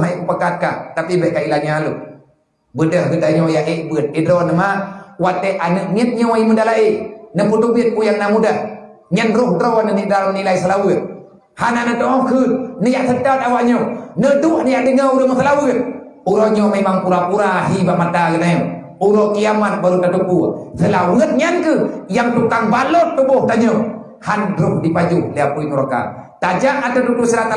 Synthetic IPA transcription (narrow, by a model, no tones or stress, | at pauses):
naiʔkupakat̪̚kaht̪apibɛhkailaɲaalu | bədəhɡədaɲojaʔiʔbɨt̪̚idɾonəmawat̪eʔanəʔŋit̪̚ɲoimudalaʔinəput̪ubit̪̚kujaŋnamudah | ɲənɾohdɾowanəniʔdaləmnilaisalawət̪̚ | hananət̪ɔʔɔkɨt̪̚nəjaʔt̪ət̪at̪awaʔɲonəduʔnəjaʔdəŋauɾəməsəlawət̪̚ | uɾoɲɔmemaŋpuɾapuɾaɦibaʔmat̪aɡənajɔ | uɾokiamat̪̚baɾut̪atupusəlawət̪̚ɲankəjaŋt̪ukaŋbalot̪ːubuht̪aɲo | handɾʊhdipad͡ʒuhliapuinuɾaka̰t̪ad͡ʒaŋat̪ət̪upusəɾat̪a